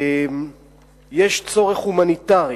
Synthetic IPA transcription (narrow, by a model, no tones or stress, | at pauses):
m | jeʃt͡so̞ʁeχhumanit̪aʁi